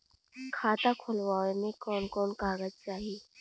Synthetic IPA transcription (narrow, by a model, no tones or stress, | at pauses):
kʰaːt̪akʰʊlʋaːenekɔːnkɔːnkaːɡəd͡ʒt͡ʃaːɦieː